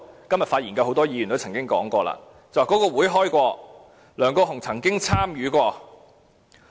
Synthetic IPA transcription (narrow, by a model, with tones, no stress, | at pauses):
kɐ˥mjɐ˨t̚faː˧jiː˨˩nkɐ˧who˨˧wt̪ɔː˥jiː˧jnt̪o˥wt͡sʰɐ˨˩ŋkɪ˥ŋkɔː˨˥ŋkʷɔː˧la̰ː˧ | t͡sɐ˨wa˨˩kɔ˨˥kɔː˧wuː˨˥jɦɔː˥jkʷɔː˧ | lœː˨˩ŋkɔː˧ɦʊ˨˩ŋt͡sʰɐ˨˩ŋkɪ˥ŋt͡sʰaː˥mjyː˨˥kʷɔː˧